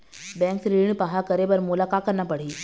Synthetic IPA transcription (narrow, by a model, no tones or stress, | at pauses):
bɛ̃ːŋksɾiɽ̃paɦakɐɾebɐɾmʊlaːkakəɾnapɐɽ̤iː